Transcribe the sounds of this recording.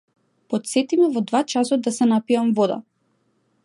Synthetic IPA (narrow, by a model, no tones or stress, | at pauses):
pɔt̪sɛt̪imɛvɔd̪vat͡ʃasɔd̪d̪ːasɛnapiamvɔd̪a̰